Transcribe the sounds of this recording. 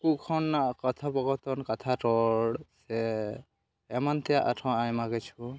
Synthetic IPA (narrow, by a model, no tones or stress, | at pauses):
kukʰɔnkɔt̪ʰabɔɡɔt̪ɔnkat̪ʰatɔɽsɛ | mant̪ijaʔa̰tʰɔajmaɡɛt͡ʃʰu